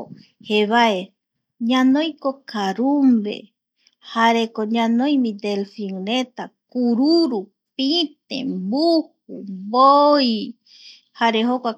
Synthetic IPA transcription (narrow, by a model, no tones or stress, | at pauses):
heβae | ɲãnõjkokaɾumbḛ | haɾekoɲãnõjmĩd̪elfiŋɾet̪akuɾuɾu | pit̪ḛ̃mbuhumboj | haɾeɦokʷa